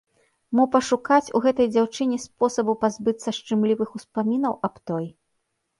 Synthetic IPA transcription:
mupɐʂukat͡sʲuɣɛt̪ɐjd͡zʲawt͡ʂɨnʲɛspɔsɐbupazbɨt̪sɐʂt͡ʂɨmlʲivɨxuspamʲinɐwɐpt̪ɔj

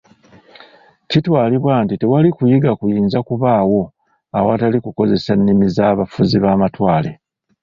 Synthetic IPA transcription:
citwaːliβwaːntite̞walikujiɡakujiːnzakuβaːwo̞ | awatalikuko̞ze̞sanːimizaːβafuziβaːmatwaːle̞

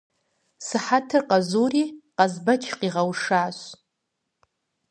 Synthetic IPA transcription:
sɨħatʰɨrqʼazuriqʼazbat͡ʃʰqʼiʁawʂaːʃʷ

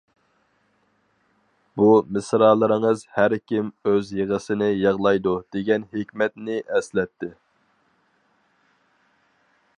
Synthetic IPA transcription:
bumɪsɾɑːlˠɨɾɨŋəzhæɾkʲimøzjeʁəsɪnɪjɑʁlˠɑjd̪ud̪̥eɡʲɛnɦekʲmɛt̪nɪʔɛslɛt̪ʰːɪ

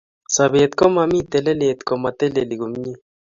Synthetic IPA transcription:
saβeːt̪komamit̪eleleːt̪komɐt̪eleliɡumɲi

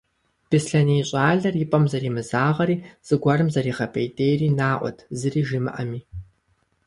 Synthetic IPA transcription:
b̥ɨsɬɐniːɕʼaːɮɐrjɪpʼɐmzɐrimɨzaːʁɐɾiːz̥ɨɡʷɐrɨmzɐɾiːχɐpʼʰejtʼejriːnaːʔʷɔ̰tʰzɨriːʒimɨ̰ʔɐmiː

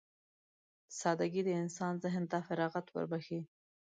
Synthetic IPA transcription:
sɑd̪aɡid̪əɪnsɑnzɪɦnt̪afaɾɑɣat̪wə̰ɾbaxi

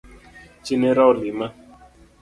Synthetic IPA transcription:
t͡ʃineɾawlima

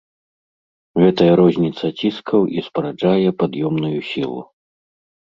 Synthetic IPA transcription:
ɣɛt̪ɐjɐɾɔzʲnʲit̪sɐt͡sʲiskʰɐwʔispɾad͡ʐajɛpad̪jɔmnujusʲilˠṵ

